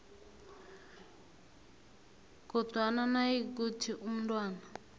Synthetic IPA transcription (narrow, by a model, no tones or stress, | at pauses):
kɔtwananaiɡutʰiʔum̩ndwaːna